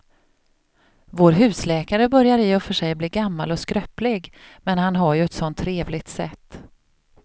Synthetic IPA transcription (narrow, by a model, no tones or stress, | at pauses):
voːɾɦʉ̟ːslɛːkaɾəbœɾjaɾɪɔfœʂɛjbliːɡamːa̰lɔskɾœplɪɡmɛnhanɦaɾjɵɛt̪sɔnt̪ʰːɾeːvlɪɡ̚t̪sɛ̰t̪ː